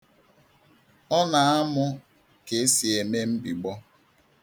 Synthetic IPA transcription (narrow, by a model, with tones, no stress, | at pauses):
ɔ˦na˨a˦mʊ˦ | ke˨e˦si˨e˨me˦m̩˦bi˨ɡ͡bɔ˦